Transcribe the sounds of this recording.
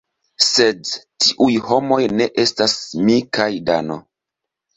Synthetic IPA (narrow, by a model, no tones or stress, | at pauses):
sedtiʔujhomo̞jne̞ʔe̞stasmikajda̰no̰